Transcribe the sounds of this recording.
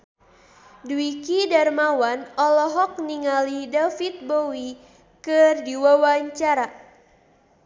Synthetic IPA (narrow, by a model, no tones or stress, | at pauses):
dwikidarmawanɔlɔɦɔk̚niŋalidafit̪̚bowi | kɨrdiwawaɲt͡ʃaɾa